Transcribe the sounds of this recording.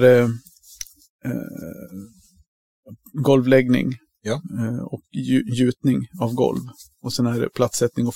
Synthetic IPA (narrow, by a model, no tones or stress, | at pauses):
ɾɛ | ɡɔlvlɛɡnɪ̰ŋ | ɔkːjʉ̟ːt̪nɪŋavɡɔ̰lv | ɔsɛnæɖɛ̰pʰlat̪sɛt̪nɪŋɔ